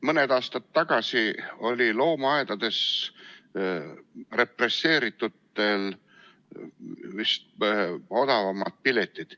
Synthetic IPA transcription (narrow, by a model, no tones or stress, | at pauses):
mɤned̪ɑːst̪ɑt̪ːɑɡ̥ɑsio̞lʲilo̞ːmɑed̪̥ɑd̪̥e̞s | re̞presːe̞ːɾit̪ːˑut̪ːˑe̞l | vist̪̚o̞d̪̥ɑvɑmːɑd̪̥̚pilet̪ːˑid̪̥